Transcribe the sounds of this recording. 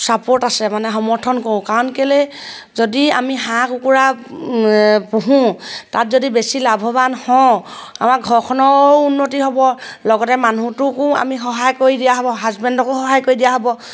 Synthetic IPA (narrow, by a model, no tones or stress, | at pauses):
sapoɹtasɛmanɛɦɔmɔɹtʰɔnkoɹʊ̃kaɹɔnkele | zodia̰miɦãkukuɹa | puɦũtatzodibesilabʱɔβanhɔ̃amakɡʱɔɹkʰɔnɔunːotiɦɔbɔlɔɡɔtɛmanutʊkʊ̃a̰mixɔɦajkoɹidijaɦɔbɔɦazbɛndɔkʊxɔɦajkoɹidijaɦɔbɔ